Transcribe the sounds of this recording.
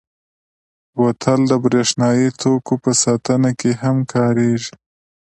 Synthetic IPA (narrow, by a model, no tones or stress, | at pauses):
wat̪ʰəld̪əbɾeʃnɑjit̪ʰokopəsɑt̪ənakeɦamkʰɑɾeʒi